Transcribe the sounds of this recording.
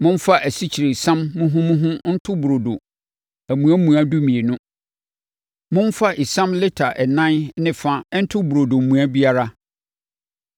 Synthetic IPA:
mʊ̃˦n˦fa˦ʔæ˨si˦t͡ɕʰi˨ɾe˨i˨sã˦mːʊ̃˦ɦʊ̃˦mʊ̃˦ɦʊ̃˦n̩˦tʰʊ˦bu˨ɾo˨do˨ | æ˨mũ˨æ˦mũ˨a˦du˦mĩ˨e˨nʊ̃˦ | mʊ̃˦n˦fa˦ʔi˨sã˦mlɪ˦tʰa˨ʔɛ˨nã˦nnɪ̃˦fã˦n̩˦tʰʊ˦bu˨ɾo˨do˨m̩˨mũ˨a˦bi˦a˦ɾa˦

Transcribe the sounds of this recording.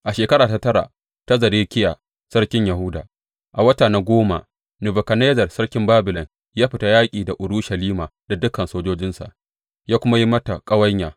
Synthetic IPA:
ʔa˨ʃeː˨kɐ˦ɾaː˨ta˦tɐ˦ɾa̰˨ | ta˦zɐ˨ɾeː˦kʲɪ˦ja̰ː˨ | sɐ˦rkʲɪ˦ɲjɐ˨hʊ˦da̰ː˨ | ʔa˨wɐ˦taː˨na˦ɡʷoː˦ma̰˨ | nʊ˨bɐ˨kɐ˨neː˦zɐ˨rsɐ˦rkʲɪ˦mbaː˦bʊ˨lɔ˨ŋ | jaː˦ɸɪ˨˦ta˦jaː˦kʲʼiː˨da˨ʔʊ˨ɾuː˦ʃɐ˨liː˦maː˨da˨dʊ˦kːɐ˨nsoː˦d͡ʒoː˦d͡ʒɪ˦nsa̰˨ʔ | jaː˦kʷʊ˦ma˦ji˦mɐ˦ta˨kʼɐ˦wɐ˦ɲjaː˨

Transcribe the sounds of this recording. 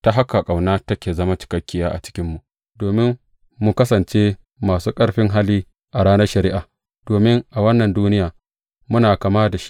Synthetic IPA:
ta˦ɦa˦ka˨kʼa˨wnaː˦tɐ˦kʲeː˨zɐ˦ma˦t͡ʃɪ̥˨kɐ˦kʲːɪ˦jaː˦ʔa̰˨t͡ʃɪ̥˦kʲɪ˦mːu˨ʔ | doː˨mɪ˦mː | u˨kɐ˦sɐ˨nt͡ʃeː˦ | maː˨suː˦kʼɐ˦ɽɸɪ˦ŋɦa˦liː˦ | ʔa˨ɽaː˦nɐ˦rʃɐ˨ɾɪ˦ʔaː˨ | d̥oː˨mɪ˦ŋʔa˨wɐ˦nːɐ˨nduː˦nɪ˦jaː˨ | mʊ˦naː˨kaː˨maː˦da˨ʃi̥˦ʔ

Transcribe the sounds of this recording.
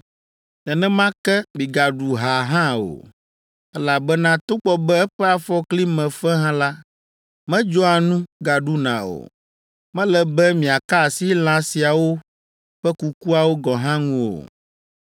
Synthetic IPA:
ɛ˨nɛ̃˦mã˦kɛ˦mĩ˨ɡa˨ɖu˨ɦa˨ɦã˦o̰˨ | ɛ˦la˨bɛ˦nã˦t̪o˦k͡pɔ˨bɛ˦ɛ˦ɸɛ˦a˨fɔ˦kli˦mɛ̃˨fɛ˦ɦã˦la˦ | mɛ̃˦d͡ʒɔ˦a˨nũ˦ɡa˨ɖu˦nã̰˨o̰˨ | mɛ̃˦lɛ˨bɛ˦mĩ˨a˨ka˦˨si˦l̃ã˨si˨a˨wo˦ | ɸɛ˦ku˨ku˦a˨wo˦ɡɔ˨ɦã˦ŋũ˦o̰˨

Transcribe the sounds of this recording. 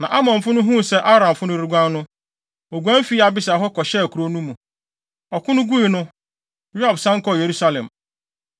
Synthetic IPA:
nã˨ʔa˦mɔ̃˨m̩˨fʊ˦nʊ̃˦ɦũ˦˨sɛ˦ʔa˦ɾã˨m˨fʊ˦nʊ̃˦ɾi˨˦ɡʷã˦n˦nʊ̃˦ | o˨ɡʷã˦m̩˦fi˦a˨bɪ˦sa˨ɦɔ˦kɔ˨ɕɛ˦˨kʰɾo˦nũ˦mũ˨ | ɔ˨kʰʊ̃˦nʊ̃˦ɡu˦i˨nʊ̃˦ | ja˨bsã˦ŋ̩˦kɔ˦je˨ɾu˦sa˦lɛ̰̃˨m

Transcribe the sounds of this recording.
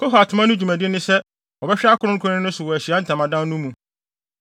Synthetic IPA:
kʰɔ˦ɦa˨tʰʊ˨mã˦nʊ̃˦d͡ʑᶣu˨mæ̃˨dɪ˦nɪ̃˦sɛ˦ | ɔ˨bɛ˦ɕᶣɪ˦a˦kʰʊ˦nʊ̃˦ŋ̩˦kʰʊ̃˦nɪ̃˦nʊ̃˦sʊ˨wɔ˨æ˨ɕi˨a˦n̩˦tʰã˨mã˨dã˦n˦nʊ̃˦mũ˨

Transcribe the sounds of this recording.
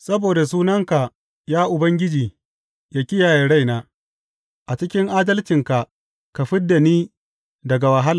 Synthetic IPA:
sɐ˦boː˨da˨s̬uː˦nɐ˦ŋka˨ | jaː˦ʔʊ˨bɐ˦ŋɡʲɪ˦d͡ʒiː˨ | jaː˦kʲɪ˦jaː˨je˨ɽa˦˨jnaː˦ | ʔa˨t͡ʃɪ˦kʲɪ˦ŋʔaː˦dɐ˦lt͡ʃɪ˨ŋka˨ʔ | ka˨ɸɪ˦dːa˨niː˦ | dɐ˨ɡa˨wɐ˨ɦa˦la˨

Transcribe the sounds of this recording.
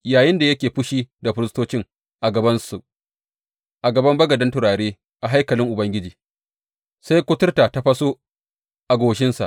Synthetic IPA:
jaː˨jɪ˦nda˨jɐ˦kʲeː˨ɸʊ˦ʃiː˦da˨ɸɪ˦ɾstoː˦t͡ʃɪ˦ŋ | ʔa˨ɡɐ˨bɐ˦nsu˨ | ʔa˨ɡɐ˨bɐ˦mbɐ˦ɡɐ˨dɐ˦ntʊ˨ɾaː˨ɽeː˦ | ʔa˨ɦa˦jkɐ˨lɪ˦ŋʔʊ˨bɐ˦ŋɡʲɪ˦d͡ʒiː˨ | sa˦jkʷʊ˦tʊ˦rtaː˨ta˦ɸɐ˦soː˦ | ʔa˨ɡʷoː˨ʃ̬ɪ˦nsa̰˨ʔ

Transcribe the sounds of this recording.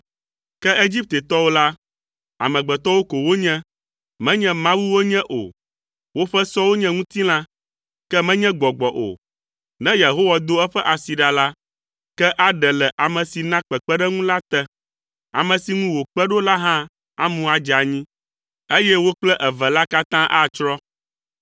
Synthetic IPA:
kɛ˦e˦d͡ʑi˦p̚t̪e˨t̪ɔ˦wo˦la˦ | a̰˨mɛ̃˨ɡ͡bɛ˨t̪ɔ˦wo˦ko˨wo˦ɲɛ̃˦ | mɛ̃˦ɲɛ̃˦mã˦wu˦wo˦ɲɛ̃˦ʔo̰˨ | wo˦ɸɛ˦sɔ˦wo˦ɲɛ̃˦ŋũ˦t̪i˦l̃ã˦ | kɛ˦mɛ̃˦ɲɛ̃˦ɡ͡bɔ˨ɡ͡bɔ˨ʔo̰˨ | nɛ̃˦je˨ɦo˦wa˨d̪o˦ɛ˦ɸɛ˦ʔa˨si˨ɖa˨la˦ | kɛ˦ʔa˦ɖɛ˨lɛ˨ʔa˨mɛ̃˨si˨nã˦k͡pɛ˨k͡pɛ˦ɖɛ˦ŋũ˦la˦t̪ɛ˦ | a̰˨mɛ̃˨si˨ŋũ˦wo˨k͡pɛ˦ɖo˦la˦ɦã˦ | a˦mũ˦a˨d͡ʒa˨ɲĩ˦ | e˦jɛ˦wo˦k͡plɛ˦ʔɛ˨vɛ˨la˦ka˦t̪ã˦ʔa˦t͡ʃɾɔ˦

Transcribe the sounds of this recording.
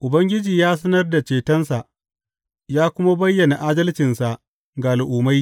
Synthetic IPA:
ʔʊ˨bɐ˦ŋɡʲɪ˦d͡ʒiː˨jaː˦s̬ɐ˦nɐ˦rda˨t͡ʃeː˨tɐ˦nsa˨ʔ | jaː˦kʷʊ˦ma˦bɐ˦jːɐ˨na˨ʔaː˦dɐ˦lt͡ʃɪ˨nsa˨ʔ | ɡaː˨lʔʊː˨ma˦j

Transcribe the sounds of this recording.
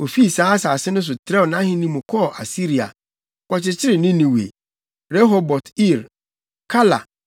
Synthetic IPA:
o˨fi˦˨sãː˨˦a˦saː˨sɪ˦nʊ̃˦s̬ʊ˨tʰɾɛ˦wnã˦ɦɪ̃˦nĩ˦mũ˨kʰɔ˦˨ʔa˨si˦ɾi˨a̰˨ | kɔ˨t͡ɕɪ˨t͡ɕʰɪ˦ɾɪ˨nɪ̃˦nĩ˨wḛ˨ | ɾɛ˦ɦo˨bɔ˨ti˦˨ɾ | kʰa˦la̰˨

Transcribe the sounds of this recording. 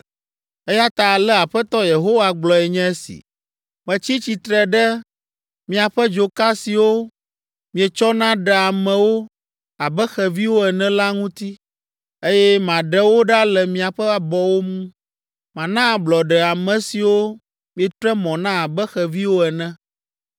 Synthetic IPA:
ɛ˦ja˦t̪a˨lɛ˦a˨ɸɛ˦t̪ɔ˦je˨ɦo˦wa˨ɡ͡blɔ˨ɛ˨ɲɛ̃˦e˦sḭ˨ | mɛ̃˨t͡ɕi˦t͡ɕi˨t̪ɾɛ˨ɖɛ˦ | mĩ˨a˨ɸɛ˦d͡ʒo˨ka˦si˨wo˦ | mĩ˨ɛ˨t͡ʃɔ˦nã˦ɖɛ˨a˨mɛ̃˨wo˦ | a˨bɛ˦xɛ˨vi˦wo˦ɛ˨nɛ̃˦la˦ŋũ˦t̪i˦ | e˦jɛ˦mã˨ɖɛ˦wo˦ɖa˦lɛ˨mĩ˨a˨ɸɛ˦a˦bɔ˨wo˦mũ˦ | mã˨nã˦˨blɔ˨ɖɛ˨a˨mɛ̃˨si˨wo˦ | mĩ˨ɛ˨t̪ɾɛ˦mɔ̃˨nã˦a˨bɛ˦xɛ˨vi˦wo˦ɛ˨nɛ̃˦

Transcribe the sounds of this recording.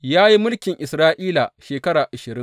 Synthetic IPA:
jaː˦ji˦mʊ˦lkʲɪ˨ŋʔɪ˨sɾaː˦ʔiː˦la˨ʃeː˨kɐ˦ɾaː˨ʔa˨ʃɪ˨ɾɪ˦

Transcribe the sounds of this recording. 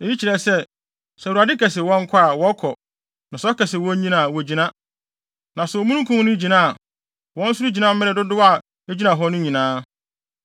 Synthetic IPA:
e˨ji˦t͡ɕi˨ɾɛ˨sɛ˦ | sɛ˨u˨a˨dɪ˦kʰɛ˨sɪ˨wɔ̃˦ŋ˦kʰa˦a˨wɔ˦kʰɔ˨ | nã˨sɔ˦kɛ˨sɪ˨wɔ̃˦ɲĩ˦nã˨wɔ˨d͡ʑĩ˨nã˦ | nã˨sʊ˨ɔ˨mũ˦nũ˦kʰũ˦m˦nʊ̃˦d͡ʑi˨nã˦˨ | wɔ̃˦n̩˦sʊ˦ɾu˦d͡ʑi˨nã˦m̩˦mɪ̃˦ɾɛ˨dʊ˦dʊ˦a˦˨ | e˦d͡ʑi˦nã˨ɦɔ˦nʊ̃˦ɲĩ˨nãː˦

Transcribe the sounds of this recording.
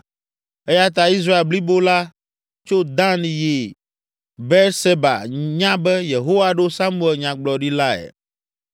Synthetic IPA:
ɛ˦ja˦t̪̬a˨i˦s̬ɾa˦e˨lbli˦bo˦la˦ | t͡ʃo˦d̪ã˦nĩ˨je˨ | bɛ˦ɾse˦ba̰˨ɲã˦bɛ˦je˨ɦo˦va˨ɖo˦sa˦mu˦˨ɛ˨lɲã˨ɡ͡blɔ˨ɖi˦la˦ɛ̰˨

